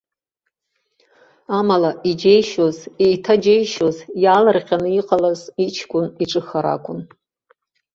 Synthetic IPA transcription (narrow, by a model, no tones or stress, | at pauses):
amalaʔid͡ʒe̞jʃozejtʰad͡ʒejʃozjaːlɨrqʲanɨiqʼalazit͡ʃʰkʷʼʊniʈ͡ʂʼɨxaɾa̰kʷʼʊn